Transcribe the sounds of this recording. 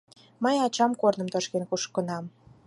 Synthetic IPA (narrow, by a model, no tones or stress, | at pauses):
məjɑt͡ɕɑmkornə̆mt̪oʃkenkuʃkənɑm